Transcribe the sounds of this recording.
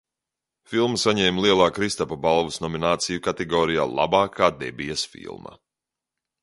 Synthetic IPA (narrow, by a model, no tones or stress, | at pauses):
filˠmsaɲɛːmlˠiɛlˠaːkɾist̪ɔpabalˠvusnɔminaːt̪sijukat̪ɛɡɔːɾija̰ːlˠʔa̰baːkʰaːd̪ɛ̰bijɐsfḭlˠmɐ̰